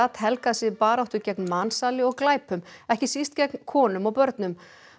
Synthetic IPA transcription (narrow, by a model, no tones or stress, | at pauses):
at̪hɛlkasɪpaːɾawht̪ʏcɛknmansaːlɪɔɣklaːjpʏmɛhcɪsist̪cɛknkʰɔːnʏmawpœɾt̪nʏm